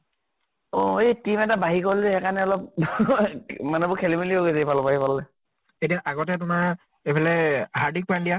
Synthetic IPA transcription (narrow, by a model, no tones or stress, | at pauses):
oetimɛtabaɦikolɛɛkanɛɔlɔp̚ | manɛbʊkʰelimilioɡezejpalɔbaɦipalːɛ | etiaʔaɡɔtɛt̬ʊmaɹ | ejpʰalɛhaɹdik̚pandija